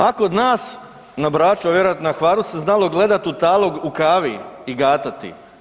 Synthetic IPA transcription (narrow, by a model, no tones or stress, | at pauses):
akood̪naːs | nabɾaːt͡ʃoʋje̞ɾoat̪naxʋaːɾuseznalo̞ɡle̞d̪at̪ut̪aːlˠo̞ɡukaːʋiiɡaːt̪at̪ḭ